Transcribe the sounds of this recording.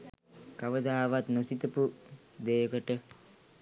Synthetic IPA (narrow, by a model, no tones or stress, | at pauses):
kaʋəd̪aːʋat̪nosit̪əpu | d̪eːəkəʈə